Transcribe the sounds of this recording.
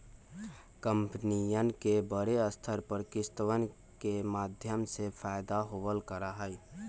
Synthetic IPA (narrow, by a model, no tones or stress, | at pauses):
kəmpnijənkebəɾeəst̪ʰəɾpəɾkɪst̪əʋən | kemaːd̪ʱjəmsepʰaːɪd̪aɦoʋəlkəɾaɦəj